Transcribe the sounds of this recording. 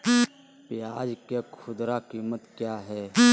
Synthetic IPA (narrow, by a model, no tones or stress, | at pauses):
pɪjaːd͡ʒkekʰʊd̪ɾakiːmət̪kjaːɦɛː